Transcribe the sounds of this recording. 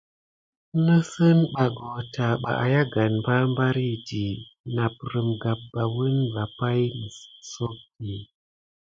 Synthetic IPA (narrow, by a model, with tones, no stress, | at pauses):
nə˦sə˦nɓa˨ɡo˨ta˨ɓa̰˨ʔa̰˨ja˦ɡa˨nba˦mba˦ɾi˦di˨na˨p̚ɾə˨mɡa˨p̚b̥a˨wə˦nva˨pa˦jmə˨so˦k̚di˨